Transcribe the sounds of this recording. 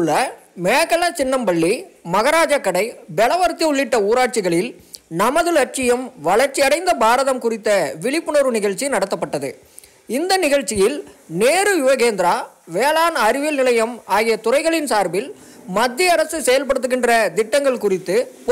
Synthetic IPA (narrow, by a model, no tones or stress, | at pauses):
ɭːɐ | meːɐkːɐlɐt͡ʃɪnːɐmbɐɭːimɐɣɐɾaːd͡ʒɐkːɐɽɐɪbɛɭɐʋɐɾt̪ːiʊɭːɪʈːɐuːɾaːʈ̚t͡ʃɪɣɐɭɪl | nɐmɐðɯlɐʈ̚t͡ʃɪjɐmʋɐɭɐɾt͡ʃːiɐɽɐɪnd̪ɐbaːɾɐðɐmkʊrɪt̪ːɐʋɪɭɪpːɯnɐɾɯnɪɣɐɻt͡ʃːinɐɽɐt̪ːɐpːɐʈːɐðɯ̰ | ɪnd̪ɐnɪɣɐɻt͡ʃːɪjɪlneːɾɯʋɪʋɐɣeːnd̪ɪɾaː | ʋeːlaːnɐɾɪʋɪlnɪlɐjɐmaːɣɪjɐt̪ʊrɐɪɣɐɭɪnsaːɾbɪl | mɐd̪ːɪɐɐɾɐsɯsɛjɐlpɐɽɯt̪ːɯɣɪndrɐd̪ɪʈːɐŋɡɐɭkʊrɪt̪ːɯp